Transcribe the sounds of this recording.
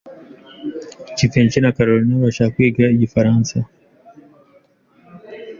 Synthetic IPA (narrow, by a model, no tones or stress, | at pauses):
cifeːɲt͡ʃinakaɾoɾinaβaʃakakwiːɡɾaiɟifaɾaːnsa